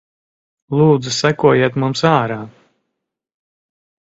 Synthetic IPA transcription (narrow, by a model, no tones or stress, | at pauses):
lˠuːd̪zusækuɔjeɛt̪mumsaːɾaː